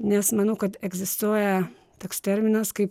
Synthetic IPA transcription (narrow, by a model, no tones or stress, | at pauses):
nʲɛsmɐnɐʊkɐt̪ɛɡzʲɪst̪uɔjɛ | t̪oːkst̪ʲɛɾʲmʲɪnɐskɐɪp